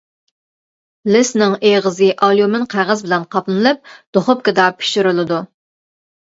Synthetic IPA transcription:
lɪsnɪŋeʁəzɨʔɑlˠjumɪnqʰæʁəzbɪlɛnqʰɑpnɨlˠɨp̚d̪̥oχʊp̚kɪd̪ɑpʰi̥ʃyɾɨlˠɨd̪u

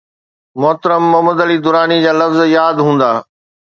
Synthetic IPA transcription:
mɔːt̪ɾəmːɐɦməd̪ɐlid̪ʊɾaːnid͡ʑaːlɐfzjaːd̪ɦũːn̆d̪aː

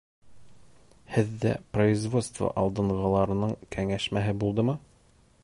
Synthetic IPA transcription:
hɘðːæ̰proizvo̞t̪st̪və̰ʔɑlˠd̪ɤ̆ɴʁɤ̆lˠɑɾɤ̆nɤɴkʰæŋæʃmæɦɘbulˠd̪ɤmɤ

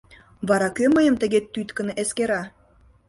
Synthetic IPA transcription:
βɑɾɑkøməjəmt̪ə̆ɣet̪ːyt̪kə̆nʔeskeɾɑ

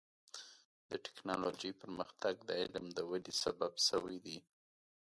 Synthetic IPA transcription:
d̪̥əʈɪ̥knɑlod͡ʒəjpəɾməxt̪aɡd̪əɪlmd̪əwalisa̰babsəwajd̪i

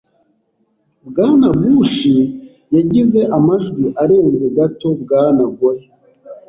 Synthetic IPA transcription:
bɡaːnabuːʃi | jaɟize̞ʔamaʒɡiʔaɾe̞ːnnze̞ɡato̞bɡaːnaɡoɾe

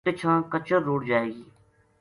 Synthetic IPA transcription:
ɪt͡ʃʰãːkət͡ʃəɾːuːɽd͡ʒaːeɡiː

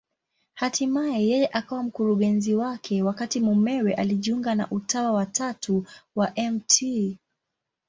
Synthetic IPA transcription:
hatʰimajɛjɛjɛʔakawam̩kuɾuɠɛnziwakʰɛwakatimumɛwɛʔaliʄiuŋɡana̰ʔutawawatʰatʰuwaʔɛmtʰi

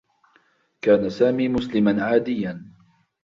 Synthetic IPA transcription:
kaːnasaːmiːmʊslɪmanʕaːd̪ɪjːan

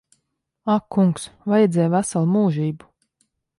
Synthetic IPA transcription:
akʰːuŋksvajɛd̪zʲɛːjvæsalˠmuːʒiːbu

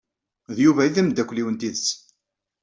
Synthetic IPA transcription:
ðjuvæiθæmd̪ːækʷliwənt̪iðəs

